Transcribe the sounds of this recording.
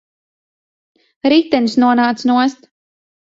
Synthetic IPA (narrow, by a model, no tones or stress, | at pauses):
ɾiːt̪ɛnsnuɔnaːt̪snuɔst̪